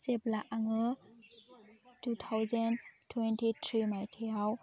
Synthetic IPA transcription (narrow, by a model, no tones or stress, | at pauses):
seplaʔaŋɯ | tutʰawzantʰwentʰitʰɾimajtʰeaw